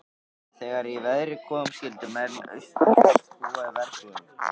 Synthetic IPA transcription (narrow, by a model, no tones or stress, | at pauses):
θɛːɣaɾivɛðɾɪkʰɔːmscɪlt̪ɪmɛnœ̰ɥst̪auːaðɪvɛɾ̥tun